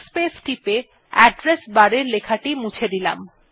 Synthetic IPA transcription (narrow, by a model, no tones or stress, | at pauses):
spesʈipe | ɛɖɾesbaɾeɾlekʰaʈimũt͡ɕʰed̪ila̰m